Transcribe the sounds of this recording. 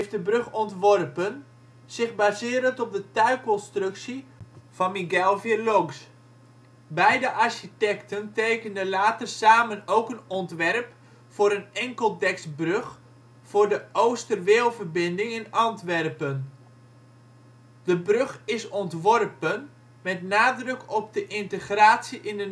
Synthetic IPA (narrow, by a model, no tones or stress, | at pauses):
ɦejft̚dəbrøχɔntʋɔrpən | z̥ɪχbaːzɪːɾəntɔp̚dətœɥkɔnstrɵksiv̥ɑnmiɡɛlˠvirlɔɡs | bɛjdəʔarʃitɛktəntejkəndəlaːtərsaːmənowkənɔntʋɛrp | fʊːɾənɛŋkəlˠdɛksbrɵx | fʊːrdəowstərʋeːlˠvərbɪndɪŋɛnɑntʋɛrpən | d̥əbrøχɪsɔntʋɔrpən | mɛtnaːdrɵkʰɔp̚dəʔɪntəχraːtsiʔɪndə